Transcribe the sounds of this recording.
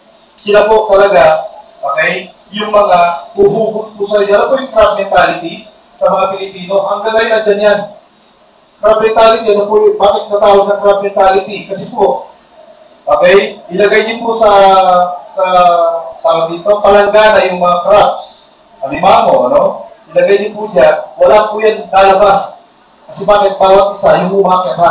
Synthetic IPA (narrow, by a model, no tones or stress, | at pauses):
sɪlampoʔt̪ɐlɐɡaʔokɛjjʊŋmɐŋabubuːɡʊt̪̚pʊsɐjoʔɐnopojʊŋt̪ɾap̚mɛnt̪alɪt̪i | sɐmɐŋapɪlɪpiːno̞ʔɐŋɡ̪ɐŋːajʊnɐnd͡ʒanjan | k̪ɾap̚mɛnt̪aːlɪt̪iʔɐnopʊjbaːkɪt̪̚nɐt̪aːwɐɡ̚nɐŋk̪ɾap̚mɛnt̪aːlɪt̪ikɐsɛpoʔ | ʔokɛjilɐɡajɲʊpusa | sa | t̪aanit̪opalaŋɡanajʊŋmɐŋakɾap̚s | abimamoʔɐnoilɐɡajɲʊpud͡ʒawɐlapujanːalɐbas | kɐsɛbaːkɛt̪̚baːwat̪̚isajʊŋumakɛata